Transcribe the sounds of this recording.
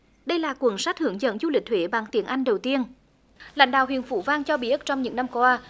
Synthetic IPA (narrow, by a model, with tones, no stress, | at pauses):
ɗə˧jlaː˨˩kwə˨˧˩nsa˦˥t̚hɨ˧˩əŋzə̰˧˥ŋzu˧li˨˩k̚t̪ʰwe˧˨˦ɓaː˧˩ŋt̪i˨˦ənʔa˧jŋ̟ɗə˨˩wt̪i˧ən | la̰˧˥˦jŋɗaː˧˨wɦḭ˧˨ənfṵ˧˦vaː˧ŋt͡ɕɔ˧ɓi˧˩ʔə˦˥t͡ɕɔ˧wŋ͡mɲɨ̰˧˥ŋna˧mkwaː˧